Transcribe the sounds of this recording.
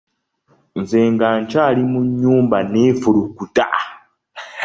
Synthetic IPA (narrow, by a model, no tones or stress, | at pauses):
nzeːŋɡaɲt͡ʃaːlimuɲːuːmbaneːfulukuta